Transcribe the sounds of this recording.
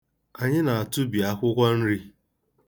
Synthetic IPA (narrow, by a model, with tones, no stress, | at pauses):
a˨ɲɪ˦na˨a˨tʊ˦bi˨a˨kʷʊ˦kʷa˦n̩˦ɾi˦